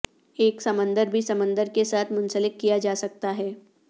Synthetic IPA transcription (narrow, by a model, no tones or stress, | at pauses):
eːksɐmə̃nd̪əɾbʱisɐmə̃nd̪əɾkesaːt̪ʰmʊ̃nsəlɪk̚kijad͡ʒaːsɐk̚t̪aɦɛː